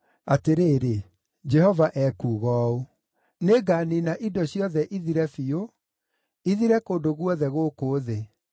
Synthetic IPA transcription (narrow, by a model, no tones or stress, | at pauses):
ateɾeːɾe | d͡ʒɛhɔvaʔɛkuːɣɔːu | neɡaninaʔidɔɕijɔðɛʔiðiɾɛfio | iðiɾɛkoːndoɣwɔðɛɣoːkoːðe